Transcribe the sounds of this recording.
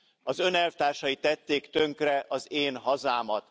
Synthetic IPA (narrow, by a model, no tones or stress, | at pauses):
ɒzø̞nɛlft̪aːrʃɒit̪ːɛt̪ːeːkt̪ø̞ŋkrɛʔɒzeːnɦɒzaːmɒt̪